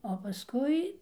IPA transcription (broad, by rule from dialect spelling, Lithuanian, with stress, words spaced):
oː pɐˈskʊɪ